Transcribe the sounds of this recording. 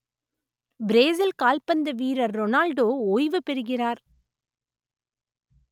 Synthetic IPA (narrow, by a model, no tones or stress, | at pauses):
bɪɾeːzɪlkaːlpɐnd̪ɐʋiːɾɐɾːɔnaːlɖoːoːjʋɯpɛɾɯɣɪraːɾ